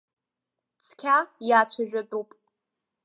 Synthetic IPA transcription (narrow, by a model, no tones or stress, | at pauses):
t͡sʰkʲʰajaːt͡ɕʷʰaʒᶣʊbupʼ